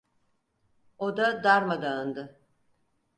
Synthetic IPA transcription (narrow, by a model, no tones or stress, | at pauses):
od̪ad̪aɾmad̪aɯnd̪ɯ